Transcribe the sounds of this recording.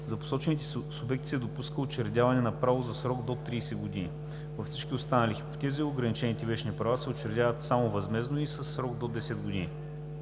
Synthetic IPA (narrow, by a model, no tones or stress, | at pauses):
zɐpo̥sɔt͡ʃɛnit̪ɛsʊbɛk̚t̪ʲi̥sɛd̪opuskəot͡ʃɛɾd̪ʲavɐnɛnɐpɾavozɐsɾɔɡd̪ot̪ɾiːsɛɡod̪inḭ | vɐfsit͡ʃkʲiost̪anɐlixipo̥t̪ɛziːoɡɾɐnit͡ʃɛnit̪ɛvɛʃnipɾɐvasɛot͡ʃɛɾd̪ʲavət̪samovɐzmɛznoisɐsːɾɔɡd̪od̪ɛsɛd̪ɡod̪ini